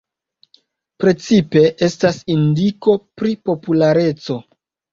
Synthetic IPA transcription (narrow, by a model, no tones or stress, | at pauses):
pɾe̞t͡sipe̞ʔe̞stasindiko̞pɾipo̞pulaɾe̞t͡so̞